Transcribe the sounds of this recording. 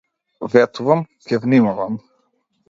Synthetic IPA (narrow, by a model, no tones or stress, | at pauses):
vɛt̪uvam | kɛvnimavam